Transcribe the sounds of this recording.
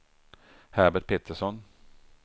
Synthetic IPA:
hæɾbəʈ̪̚pʰeːt̪əʂɔn

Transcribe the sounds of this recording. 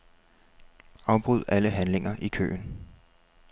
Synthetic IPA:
ɑ̈ʊb̥ʁuð̞̰ˠæləɦænle̝ŋɐʔikʰø̰ːn

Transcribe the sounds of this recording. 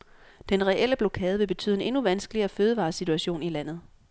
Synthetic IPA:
d̥enʁɛʔel̰əb̥lo̝kʰɛːð̞̩ˠəʋe̝b̥e̝t͡sʰy̰ːð̰ˠene̝nuʋænsɡ̥əliɐføːðˠəʋɑ̈ːsit͡sʰuæɕo̝̰ːnilæn̰ð̞̩ˠ

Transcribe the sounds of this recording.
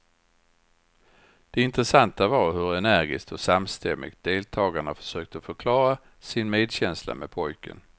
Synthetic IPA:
d̪̥ɛɪnt̪ɾəsant̪avɑɾɦɵɾɛnæɾɡɪ̰st̪ɔsamst̪ʰɛmːɪ̰ɡ̚t̪̚d̪̥eːlt̪ʰɑːɡaɳafœ̥ʂøːk̚t̪əɔfœɾkʰlɑːɾa | sɪnmeːd̪ɕɛnsla̰mɛd̪pʰɔjkə̰n

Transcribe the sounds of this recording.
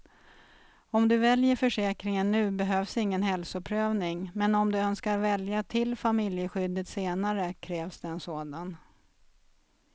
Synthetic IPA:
ɔmd̪ɵvɛljəɾfœʂɛːkɾɪŋənːʉ̟ːbɛɦøːvsɪŋːənɦɛlsʊpʰɾøːvnɪŋmɛnɔmd̪ɵœnskaɾvɛljat̪ʰɪlfamɪljəɧʏd̪ːət̪seːnaɾəkʰɾɛːvsd̪ɛɛːnsoːd̪an

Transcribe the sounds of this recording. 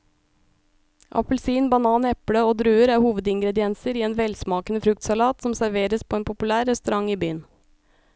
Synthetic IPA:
ʔɑ̰pəl̩siːnbɑnɑːnɛpɽəoːd̪ɾʉːəɾæːɾhuːʋəd̪ɪŋɡɾɛd̪ɪɛnsəɾiːeːnʋɛlsmɑːkənəfɾʉk̚t̪sɑlɑːt̪sɔmsæɾʋeːɾəspʰoːeːnpʰʊpʉlæːɾːɛst̪ʉɾɑŋiːbyːən

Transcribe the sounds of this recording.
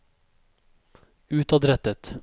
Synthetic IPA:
ʉːt̪ɑd̪ɾɛt̪ət̪

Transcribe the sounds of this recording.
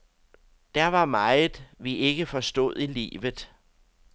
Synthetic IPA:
d̥æɐʋɑ̈mɑ̈ɪð̩ˠʋie̝ɡ̥əfɒ̽sd̥o̝ð̰ˠilḭːʋð̩ˠ

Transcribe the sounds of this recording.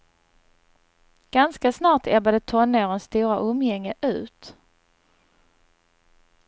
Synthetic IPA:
ɡ̥anskasnɑːʈ̪ʰɛbad̪ət̪ʰɔnːɛːɾənst̪uːɾaʔɔmjɛŋːəʔʉ̟ːt̪

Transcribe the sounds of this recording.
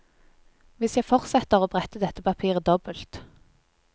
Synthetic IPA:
ʋɪsjæɪfɔʁsɛt̪əʁoːbʁɛt̪əd̪ɛt̪əpɑpʰiːʁəd̪ɔbəlt̪

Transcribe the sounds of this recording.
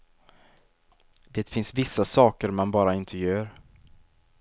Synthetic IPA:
d̪̥eːt̪fɪnsvɪsːasɑːkəɾmanbɑːɾaɪnt̪ʰəjœːɾ

